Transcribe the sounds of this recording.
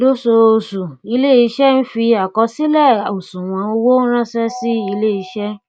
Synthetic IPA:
do˦so˧o˧su˨i˧le˦i˧ʃɛ˦n̩˦fi˧a˨kɔ˧si˦lɛ˦˨o˨sũ˨w̃ã˧˦o˧wo˦ɾ̃ã˦sɛ˦si˦i˧le˦i˧ʃɛ˦

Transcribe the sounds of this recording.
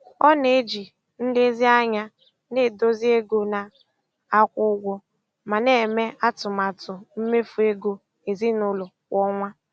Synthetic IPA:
ɔ˦ne˨e˦d͡ʒi˨ | n̩˦dɪ˦zi˦a˦ɲa˦ | ne˦˨do˦zi˦e˦ɡo˦na˨ | a˦kʷʊ˦ɡʷɔ˦ | ma˨ne˦˨e˨me˦a˦tʊ˨ma˨tʊ˨m̩˦me˦fu˨e˦ɡo˦ | e˨zi˦nʊ˦lʊ˨ | kʷɔ˦ŋʷa˦

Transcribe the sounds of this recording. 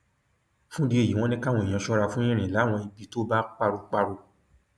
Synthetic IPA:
fũ˦di˦e˦˨i˨˦w̃ɔ̃˦nĩ˦ka˦˨wɔ̃˧ẽ˨ã˧ʃɔ˦ɾa˧fũ˦ĩ˦ɾ̃ĩ˨la˨˦˨w̃ɔ̃˧i˧bi˨˧˦to˦ba˦k͡pa˧ɾu˧k͡pa˧ɾu˧

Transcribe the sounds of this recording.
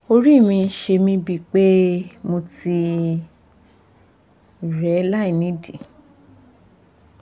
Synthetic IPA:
o˧ɾi˦˨mĩ˧˦ʃe˧mĩ˧bi˦˧˨k͡pe˦mo˧ti˧ | ɾɛ˨˦la˦˨i˨nĩ˨˦dĩ˨

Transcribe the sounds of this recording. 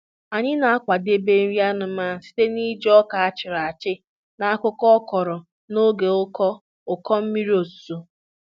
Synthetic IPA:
a˨ɲɪ˦na˨a˦kʷa˨de˦be˦ɾi˦a˦nʊ˨ma˦˨˦si̥˦te˦ni˦d͡ʒɔ˦ka˨a˦t͡ʃɪ˨ɾa˨a˨t͡ʃɪ˦ | na˨a˦kʊ˦kɔ˦kɔ˨ɾɔ˨ | no˦ɡe˨ʊ˦kɔ˦ | ʊ˨kɔ˦m̩˦mi˦ɾi˦o˨su̥˨so˦

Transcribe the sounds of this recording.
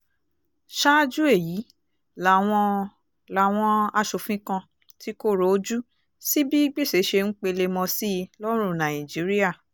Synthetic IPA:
ʃa˦d͡ʒu˦e˦˨ji˨˦ | la˨w̃ɔ̃˧ | la˨w̃ɔ̃˧a˧ʃo˨fĩ˦kã˧ | ti˦ko˦ɾo˨o˦d͡ʒu˦ | si˦bi˦i˦ɡ͡bi˦˨se˨˦ʃe˧ŋ̩˦k͡pe˧le˧mɔ̃˧si˦˧˦lɔ˦ɾ̃ũ˦˨nã˨ĩ˨d͡ʒi˨˦ɾi˦a˦˨

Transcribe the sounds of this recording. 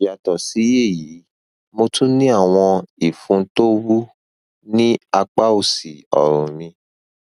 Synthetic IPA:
ja˨tɔ˨si˨˦je˦˨ji˨˦ | mo˧tũ˦nĩ˦a˦˨w̃ɔ̃˧i˨fũ˧˦to˦wu˦ | nĩ˦a˧k͡pa˦u˦˨si˨ɔ̰˨ɾ̃ṵ̃˨mĩ˧

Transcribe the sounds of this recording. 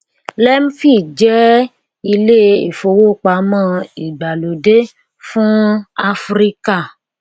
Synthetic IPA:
lɛ˦m̩˦fi˦˨d͡ʒɛ˦ | i˧le˦e˨fo˧wo˦˨k͡pa˧˨mã˦i˨ɡ͡ba˨lo˨de˦ | fũ˦a˧fɾi˦ka˦˨

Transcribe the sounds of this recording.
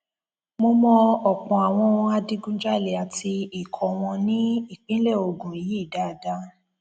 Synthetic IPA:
mo˧mɔ̃˧ɔ˨k͡pɔ̃˨a˨w̃ɔ̃˧a˧di˦ɡũ˦d͡ʒa˦i˨le˨a˨ti˧i˨kʰɔ˨w̃ɔ̃˧nĩ˦i˦˨k͡pĩ˦le˦˨o˧ɡũ˨ji˨˦i˦˨da˦˨da˦

